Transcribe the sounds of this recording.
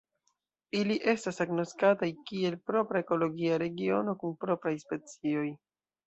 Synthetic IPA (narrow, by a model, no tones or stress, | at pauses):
iliʔe̞stasaɡnoskatajkie̞lpɾo̞pɾae̞ko̞lo̞ɡiaɾe̞ɡio̞no̞kunpɾo̞pɾajspe̞t͡sio̞j